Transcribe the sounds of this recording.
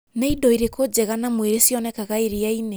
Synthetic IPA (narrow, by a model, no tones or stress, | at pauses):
neidɔiɾekod͡ʑɛɣanamweɾesjɔnɛkaɣaeɾiaine